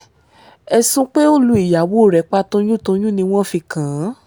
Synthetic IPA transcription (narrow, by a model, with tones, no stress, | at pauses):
ɛ˧sũ˦k͡pe˦o˦lu˧˦i˦˨ja˨˦wo˦˨ɾɛ˨˦k͡pa˧˦tõ˧j̃ũ˦˨tõ˧j̃ũ˦nĩ˧w̃ɔ̃˦fi˧kã˨˦